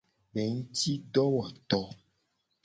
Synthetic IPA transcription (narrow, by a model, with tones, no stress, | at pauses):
bɛ˨ŋũ˦t̪i˦ɖɔ˦wɔ˨t̪ɔ˨